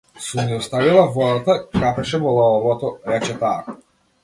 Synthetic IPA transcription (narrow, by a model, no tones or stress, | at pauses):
sunɛɔst̪avilˠavɔd̪at̪akɾapɛʃɛvɔlˠaɔvɔt̪ɔɾɛt͡ʃɛt̪aːk